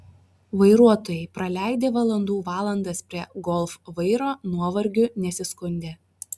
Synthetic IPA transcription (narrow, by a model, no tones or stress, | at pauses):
ʋɐɪɾuɔt̪oːjɛɪpɾɐlʲæˑɪd̪ʲeːʋɐlˠɐnd̪uːʋɑːlˠɐnd̪ɐspʲɾʲiɛɡɔlˠfʋɐɪɾoːnuɔʋɐɾʲɡʲʊnʲɛsʲɪskʊnʲd̪ʲeː